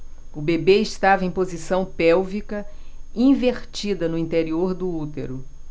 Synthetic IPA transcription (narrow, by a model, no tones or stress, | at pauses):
ʊbebeɪʃt̪avɐẽj̃pozisɐ̃w̃pɛwvikɐ | ĩveɾt͡ʃid̪ɐnʊĩnt̪eɾioɾd̪ʊut̪ḛɾʊ